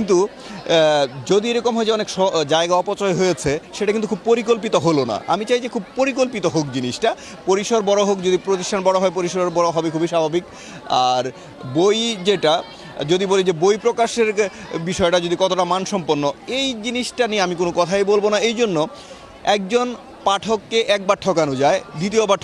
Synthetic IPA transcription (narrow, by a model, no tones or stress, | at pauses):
kint̪̬u | d͡ʑod̪ieɾɔkomɦɔed͡ʑeɔnekʃɔd͡ʑaeɡaɔpot͡ɕɔeɦojet͡ɕʰeʃeʈakint̪ukʰub̚poɾik̬olp̬it̪oɦolona̰ʔa̰mit͡ɕajd͡ʑekʰub̚poɾik̬olpit̪oɦok̚d͡ʑiniʃʈa | poɾiʃoɾbɔɽoɦokd͡ʑod̪ipɾot̪iʃʈʰanbɔɽoɦɔep̬oɾiʃɾbɔɾoɦɔbekʰubʱiʃabʱabik | aɾ | bojd͡ʑeʈa | d͡ʑod̪ibolid͡ʑebojpɾokaʃeɾ | biʃɔeʈad͡ʑod̪ikɔt̪oʈamanʃɔmponːoejd͡ʑiniʃʈanieamik̬onokɔt̪ʰajbolbonaejd͡ʑonːo | ɛk̚d͡ʑon | paʈʰokːeʔɛk̚baɾʈʰːɔkanod͡ʑaed̪ʱit̪̬iopaʈʰː